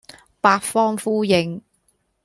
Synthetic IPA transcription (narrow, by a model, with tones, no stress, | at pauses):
paː˧tfɔː˥ŋfuː˥jɪ˨˧ŋ